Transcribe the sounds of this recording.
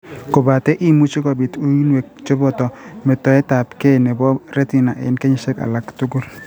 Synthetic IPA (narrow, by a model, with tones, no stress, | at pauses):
ko˨ba˨tɛ˦ʔi˦mu˦t͡ʃi˦kɔ˨bɪ˨tu˦i˦nwe˨k̚t͡ʃo˦bɔ˦˨tɔ˨mɪ˨tɔ˨ɛ˦ta˨pke˦˨nɛ˨bɔ˦ɾɛ˦ti˨na˨ʔḛ˨nke˦ɲɪ˨ʃɛ˦ka̰˨la˨ktu˦ɡu˦l